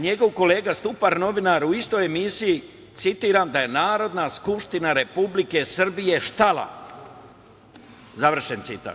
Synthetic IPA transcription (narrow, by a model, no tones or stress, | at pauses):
ɲe̞ɡo̞ʋko̞le̞ːɡast̪upaɾno̞ʋinaɾuist̪o̞jemisiji | t̪sit̪iːɾamd̪aje̞naːɾo̞d̪naskupʃt̪inaɾe̞publike̞sr̩bije̞ʃt̪alˠa̰ | zaʋr̩ʃe̞nt̪sit̪a̰t̪